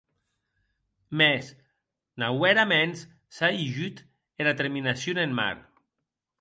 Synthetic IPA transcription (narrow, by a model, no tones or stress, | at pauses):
mɛs | nawɛɾamens | saiʒyt̪ | eɾat̪eɾminasjonenma̰ɾ